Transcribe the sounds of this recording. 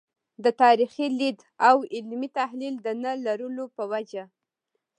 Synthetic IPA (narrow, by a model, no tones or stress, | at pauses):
d̪ət̪ɑɾixilid̪ | awɪlmit̪ahlild̪ənəlaɾulopəwad͡ʒa